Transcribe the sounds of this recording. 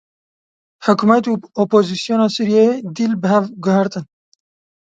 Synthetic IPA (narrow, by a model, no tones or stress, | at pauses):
ħʊkumɛt̪uːopoːzisijoːnɑːsuɾijed̪ilbɨɦɛvɡʊɦɨɾt̪ɨn